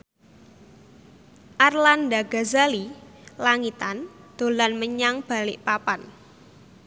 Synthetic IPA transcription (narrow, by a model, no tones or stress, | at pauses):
ʔarlandaɡazalilaŋit̪and̪̥o̤lanməɲaŋb̥a̤lɪʔpapan